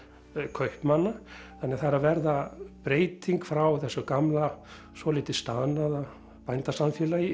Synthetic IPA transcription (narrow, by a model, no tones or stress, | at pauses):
kʰœɥhpmanːa | θanɛaθaɾavɛɾðapɾeːjt̪iŋkfɾawθɛsːʏkamla | sɔlɪːt̪ɪst̪aðnaða | pajnt̪asamfjɛːlajɪ